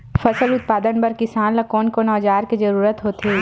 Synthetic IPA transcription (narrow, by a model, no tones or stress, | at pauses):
fɐsəlʊt̪̚paːd̪ənpɐɾkɪsaːnlɐkɔːnkonɔːd͡ʒaːɾkizɐɾuːɾət̪ɦoːt̪e